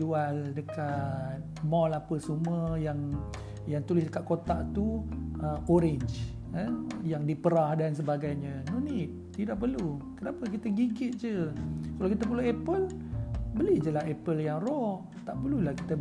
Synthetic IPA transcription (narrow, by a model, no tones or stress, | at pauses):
ualdəkat̪̚ | mɔlapəsuməjaŋ | jaŋt̪ulɪsdəkaʔ̪̚kot̪aʔt̪uəoɾɪɲd͡ʒ | anjaŋdipəɾahdans̬əbaɡajɲãnuniʔ | t̪idaʔpərlukənapək̬it̪aɡiɡɪt̪̚d͡ʒəkalawkit̪apəluɛpəlbəlihd͡ʒəlaɦepəljaŋrɔh | t̪aʔpəlulahki̥t̪a